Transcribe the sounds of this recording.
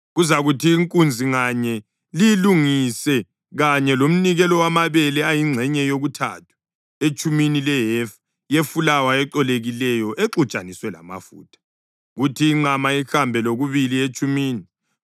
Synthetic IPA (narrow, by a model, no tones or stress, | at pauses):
ɣuzaɣutʰiːŋkʼund͡zʱiŋaɲɛ | liluŋisɛ | ɣaɲɛlom̩niɣɛlɔwamaβɛlɛajiŋ͡ǀʱɛɲɛjoɣutʰa̰tʰu̥ | et͡ʃʼuminilɛɦɛf | jefulawaɛǁɔleɣilɛjɔʔeǁut͡ʃʼaniswɛla̰ma̰fṵːtʰḁ | ɣutʰiːŋ͡ǃamaixambʱɛloɣuβiliet͡ʃʰʼumiːni